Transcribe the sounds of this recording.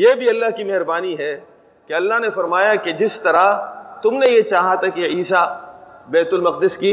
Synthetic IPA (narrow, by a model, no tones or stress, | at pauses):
jebʱiɐlːaɦkimɛɦɾbaːniɦɛ | keɐlːaɦnefɐɾmaːjaked͡ʒɪst̪ɐɾat̪ʊmnejet͡ʃaːɦat̪ʰakeiːsabɛːt̪ʊlmɐq̚d̪ɪskiː